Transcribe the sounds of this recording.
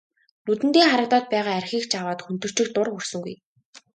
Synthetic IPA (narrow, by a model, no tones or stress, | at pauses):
nut̪ɘ̆nt̪eːχaɾə̆t̪ɔːt̪̚pæːʁaːærxiːkt͡ɕʰawaːt̪xun̥t̪ɵ̆r̥t͡ɕɪ̆kt̪ʊrxursɵ̆ŋɡṵj